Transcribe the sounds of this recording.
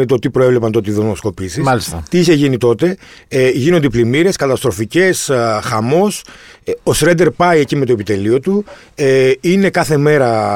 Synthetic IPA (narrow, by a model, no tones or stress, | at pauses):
et̪ot̪ipɾoevle̞pɐnt̪o̞t̪iðennosko̞pisimɐlist̪ɐt̪iiçeʝinit̪o̞t̪e̞ʝino̞nd̪eplimiɾe̞skɐt̪ɐst̪ɾo̞fice̞sxɐmo̞sosɾed̪e̞ɾpɐiecimet̪o̞epit̪e̞lio̞t̪u | ine̞kɐθe̞me̞ɾɐ